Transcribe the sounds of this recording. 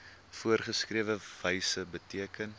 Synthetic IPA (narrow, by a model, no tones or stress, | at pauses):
fuərχəskriəvəvəjsəbətiəkən